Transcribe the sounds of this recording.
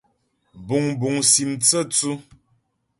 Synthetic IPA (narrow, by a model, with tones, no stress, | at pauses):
bu˨ŋbu˨ŋsi˨mt͡sə˦t͡su˦